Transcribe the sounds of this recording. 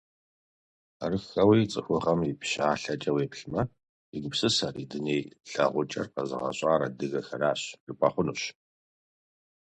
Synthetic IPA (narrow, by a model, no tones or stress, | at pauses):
arɨxɐwiːt͡sʼɨxʷʊʁɐmipɕaːɬɐt͡ʃʼɐweːpɬmɐ | iɡʊpsɨsɐrḭdɨneːjɬɐʁʷʊt͡ʃʼɐ̰rqɐzɨ̰ʁɐ̰ɕʼaːɾɐdɨɣɐxɐraːɕrɨpʰʼɐχʷʊnuːɕ